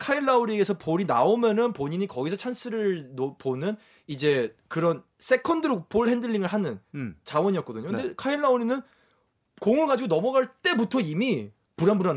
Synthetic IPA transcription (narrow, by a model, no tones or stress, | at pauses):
kʰaiɭːauɾieɡe̞sʰʌpoɾinaomjʌnɯnpoɲiɲikʌɡisʰʌt͡ɕʰansʰɯɾɯɭnoponɯn | id͡ʑe̞kɯɾʌn | s͈ʰe̞kʰʌndɯɾopoɭhe̞ndɯʎːiŋɯɭɦanɯnt͡ɕawʌɲiʌk͈ʌdɯɲokɯndekʰaiɭːauɾinɯn | koŋɯɭɡad͡ʑiɡonʌmʌɡaɭt͈e̞butʰʌimi | puɾanbuɾan